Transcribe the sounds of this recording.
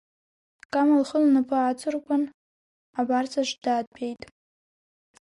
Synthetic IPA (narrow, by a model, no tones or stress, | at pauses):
kʼamalχəlnɨpʰʼɨat͡sʰʼɨrkʷʼan | abart͡sʰʼaʃʷdaːd̚pʰʼejtʼ